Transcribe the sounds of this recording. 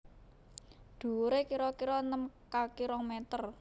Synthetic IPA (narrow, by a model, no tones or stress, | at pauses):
d̪̥ṳɾekiɾɔkiɾɔnəmkakiɾɔŋmɛt̪ər